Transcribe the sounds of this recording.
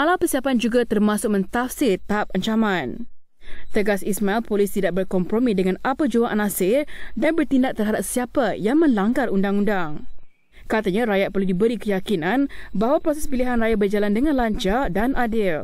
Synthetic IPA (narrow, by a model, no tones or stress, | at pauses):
ʔalapərsiɦapand͡ʒuɡat̪ərmãsʊk̚mə̃nt̪afsɪrt̪aɦap̚aɲt͡ʃamãn | t̪əɡasismailpolist̪idaʔ̚bərkɔmpɾomĩdəŋanapad͡ʒuaʔanasɪrdanbərt̪indaʔ̚t̪ərɦadap̚siapajaŋmə̃nlaŋɡarundaŋundaŋ | kat̪aɲãɾajat̪̚pərludibəɾikəjakinãnbaɦwapɾosɛspiliɦanrajabərd͡ʒalandəŋãnlaɲt͡ʃadanʔadɪl